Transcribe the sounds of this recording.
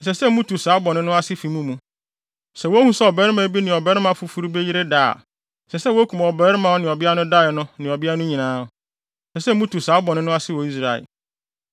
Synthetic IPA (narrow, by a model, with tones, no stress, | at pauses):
n̩˨sɛ˨sɛ˦m̩˦mũ˦tʰu˨sa˨˦bɔ˨nʊ̃˦nʊ̃˦a˦sɪ˦fi˨mũ˦mũ˨ | sɛ˨wo˦hũ˦sɛ˦ɔ˨bɛ˨˦ɾɪ˦mã˨˦bi˦nɪ̃˨ɔ˨bɛ˦ɾɪ˦mã˨fu˨fu˦ɾu˦be˦ji˦ɾe˦da̰ː˦˨ | sɛ˨sɛ˦wo˦kʰũ˨m˨ɔ˨bɛ˦ɾɪ˦mã˨wɔ˦nɪ̃˨ɔ˨bɪ˦a˦nʊ̃˦da˦˨ɪ˨nʊ̃˦nɪ̃˨ɔ˨bɪ˦a˦nʊ̃˦ɲĩ˨nãː˦˨ | sɛ˨sɛ˦mũ˦tu˨sa˨˦bɔ˨nʊ̃˦nʊ̃˦a˦sɪ˦wɔ˨i˦s̬ɾa˨ɪ̰˨